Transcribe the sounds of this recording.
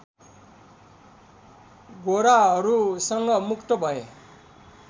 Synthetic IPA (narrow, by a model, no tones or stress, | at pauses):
ɡoɾaɦʌɾusʌŋɡʌmukʰt̪ʌbʱʌe